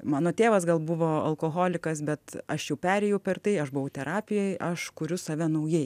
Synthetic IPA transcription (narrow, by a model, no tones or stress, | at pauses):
mɑːnoːt̪ʲeːʋɐs̬ɡɐlˠbʊʋoːɐ̰lˠkoːɣoːlʲɪkɐsbʲɛt̪ɐʃjɛʊpʲæːɾʲɛjɛʊpʲɛrt̪ɐɪɐʃbʊʋɐʊt̪ʲɛɾɑːpʲɪjɛɪʔɐʃkʊɾʲʊsɐʋʲɛnɐʊjɛɪ